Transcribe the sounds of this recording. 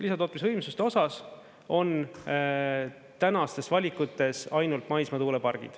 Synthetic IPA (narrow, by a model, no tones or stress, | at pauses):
lisɑt̪ot̪ːˑmisvɤjmsust̪eo̞sɑs | o̞n | t̪ænɑst̪e̞svɑlʲikut̪ːˑe̞sɑjnult̪ˑmɑjsmɑt̪uːlepɑrɡ̥ḭd̪̥